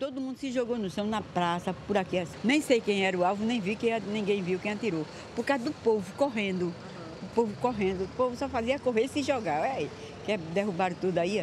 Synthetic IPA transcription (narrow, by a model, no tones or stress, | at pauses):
t̪od̪ʊmũnd̪ʊsɪʒoɡonʊʃɐ̃w̃nɐpɾasɐpʊɾakiasnẽj̃sejkẽj̃ɛɾɐʊawvʊnẽj̃vikẽj̃anĩɡẽj̃viwkẽj̃at̪iɾo | pʊɾkawzɐd̪ʊpovʊkoɦẽnd̪ʊ | ʊpovʊkoɦẽnd̪ʊpovʊsɔfaziɐkoɦesɪʒɔɡaɛi | kɛd̪eɦubaɾt̪ud̪ʊai